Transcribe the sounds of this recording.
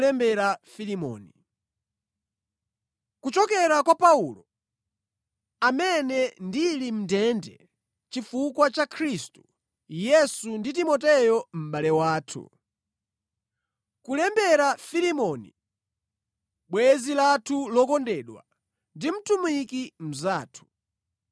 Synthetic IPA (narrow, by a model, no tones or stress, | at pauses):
lɛmbɛɾafilimɔ̰ːni | kut͡ʃɔkɛɾakwapaulɔ | amɛnɛndilim̩dɛndɛ | t͡ʃifukwat͡ʃakʰɾistu | jɛsunditimɔtɛjɔm̩ɓalɛwaːtʰṵ | kulɛmbɛɾafilimɔnḭ | ɓwɛzilatʰulɔkɔndɛɗwa̰ | ndim̩tumikim̩zaːtʰu̥